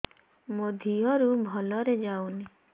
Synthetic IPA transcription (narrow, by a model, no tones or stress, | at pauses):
mod̪ʱijɔɾubʱɔlɔɾed͡ʒawni